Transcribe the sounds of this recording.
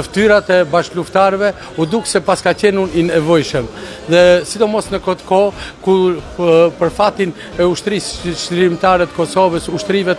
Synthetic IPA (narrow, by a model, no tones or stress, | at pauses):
əft̪yɾat̪ɛbaʃluft̪aɾvɛ | ud̪uksɛpaskacɛnuninɛvɔjʃəm | ðɛsid̪ɔmɔsnəkɔt̪kɔku | pəɾfat̪in | ɛuʃt̪ɾisʃliɾimt̪aɾɛt̪ə̥kɔsɔvəsuʃt̪ɾivɛt̪